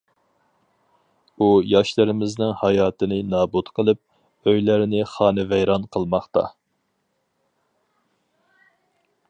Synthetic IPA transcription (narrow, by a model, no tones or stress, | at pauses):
ujɑʃlˠɨɾɪmɪznɪŋhɑjɑːt̪ɨnɪnɑːbut̪qʰəlˠɨp̚ | øjlæɾnɪχɑːnɨvɛjɾɑnqʰəlˠmɑχt̪ɑ̰